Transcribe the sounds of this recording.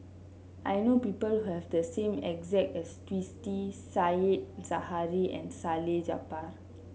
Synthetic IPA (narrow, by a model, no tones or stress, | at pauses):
ʔajnopipəlhuhɛvdəsẽmɛ̰kzɛk̚tɛstwistisajet̚z̥ahaɹiɛ̰̃nsaled͡ʒa̰par